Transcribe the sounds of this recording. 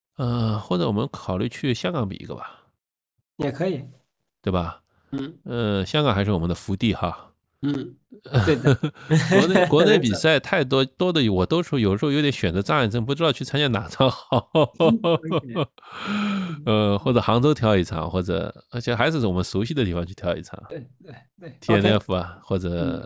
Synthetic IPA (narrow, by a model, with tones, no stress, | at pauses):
ə˥˧xwɔ˥˩ʈ͡ʂɤ˧˥wɔ˨˩mə˦nkʰɑ˨˩ʊly˥˧t͡ɕʰy˥˩ɕjɑ˥ŋkɑ˧˥ŋpḭ˨˩˥ɡə̰˧bɐ˩ | jɛ˨˩kʰɤ˧˥i˨˩˦ | t̪we˥˩ɪbɐ˩˥˩ | ə˥˧ɕjɑ˥ŋɡɑ˨˩ŋxʂɻ̩˥˩ɔ˨˩ə˦nd̪ə˧fu˧˥t̪i˥˩xɑ˥˧˥ | n˥kwɔ˧˥ne˥˩pi˨˩sa˥˧˩ɪt̪ʰa˥˩ɪt̪̬wɔ˥t̪wɔ˥d̪ə˨˩wɔ˨˩t̪o˥ʊʂ̩˧˥j̩˨˩˧jt̪ʲɕɥɛ˨˩nd͡zɤ˧˥t͡sɑ˥˧˥nʈ͡ʂə˥˧ŋp̬u˥˩ʈ͡ʂɻ̩˥t̪ɑ˥˧ʊt͡ɕʰy˥˩t͡sʰa˥nt͡ɕja˥na˨˩ʈ͡ʂʰɑ˥ŋxɑ˨˩˦ | ə˥˧xwɔ˥˩ʈ͡ʂɤ˨˩xɑ˧˥ŋt͡so˥ʊt̪ʰjɑ˧˥ʊi˧˥˩ʈ͡ʂʰɑ̰˨˧˩ŋxwɔ˥˩ʈ͡ʂɤ̰˨˩t͡ɕʰi˧˥ʂɻ̩˥xa˧˥ɪʂɻ̩˥˩˥wɔ˨˩mə˦nsu˧˥ɕi˥˩d̪ə˩t̪i˥˩fɑ˥ŋt͡ɕʰy˥˩jɑ˧˥ʊḭ˥˩ʈ͡ʂʰɑ̰˨˩˦ŋ | t̪ʰi˥˧ɛ˥nɛ˥˩fɐ̰˩xwɔ˥˩ʈ͡ʂɤ˨˩